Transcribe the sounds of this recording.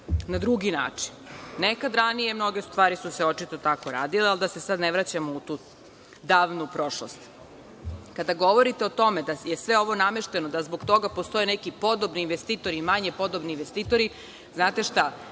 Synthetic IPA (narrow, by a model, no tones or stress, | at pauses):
nad̪ɾuɡina̰ːt͡ʂi̥nːekad̪ɾanije̞mno̞ɡest̪ʋaːɾisuseo̞t͡ʃit̪o̞t̪ako̞ɾaːd̪ileald̪ase̞sad̪neʋɾat͡ɕamout̪uː | d̪aːʋnupɾo̞ʃlo̰st̪ | kad̪aɡo̞ʋo̞ɾit̪eot̪o̞med̪ajesʋe̞o̞ʋo̞nameʃt̪e̞nod̪azboɡt̪o̞ɡapost̪o̞enekipo̞d̪o̞bniːnʋest̪iːt̪o̞ɾimaɲepo̞d̪obniinʋest̪iːt̪o̞ɾi | znaːt̪e̞ʃt̪a